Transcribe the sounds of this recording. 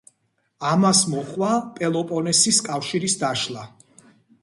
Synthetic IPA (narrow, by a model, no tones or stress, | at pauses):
amasmɔχʼwapʼɛlˠɔpʼɔnɛsiskʼafʃiɾisd̪aʃlˠa